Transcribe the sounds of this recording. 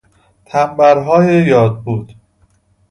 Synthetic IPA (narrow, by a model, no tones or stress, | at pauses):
t̪ʰæmbæɾɦɒːjejɒːd̪̚buːd̪̥